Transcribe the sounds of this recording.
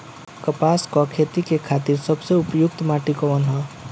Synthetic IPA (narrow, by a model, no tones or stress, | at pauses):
kəpaːskɔkʰeːt̪ikekʰaːt̪iːɾsəbseʊpjʊk̚t̪maːʈikɔʋənɦɔ